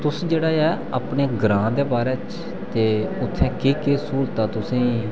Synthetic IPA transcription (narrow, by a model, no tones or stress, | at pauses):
t̪ʊsd͡ʒeːɽaːɛː | əpɳeːɡɾãːd̪eːbaːɾɛːt͡ʃ | t̪eːʊt̪ʰːɛ̃ːkeːkeːsuːɾt̪aːt̪ʊsẽː